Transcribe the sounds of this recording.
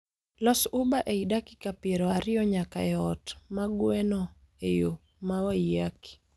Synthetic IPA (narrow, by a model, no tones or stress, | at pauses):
lɔsubaʔeidaki̥kapeɾɔaɾɪɔɲakaɛɔtmaɡwɛnɔ | ejo | mawaijaki̥